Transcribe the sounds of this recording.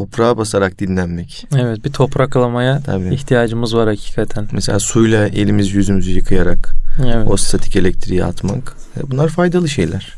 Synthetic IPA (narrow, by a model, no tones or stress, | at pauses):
t̪ʰo̞pɾaːbasaɾak̚d̪inlʲænmɛc | evɛt̪̚bit̪ʰo̞pɾaklˠamajat̪ʰa̰biiçt̪ʰijaːd͡ʒɯmɯzvaɾhacʰi̥ːkʰat̪ʰænmeselʲaːsujlˠaʔe̞̰lʲimizjyzymyzyjɯkʰɯjaɾakevɛost̪ʰat̪ʰi̥ce̞lʲɛc̚t̪ʰɾij̰a̰t̪makːbunlˠaɾfajd̪alˠɯʃe̞̰jlʲæɾ̥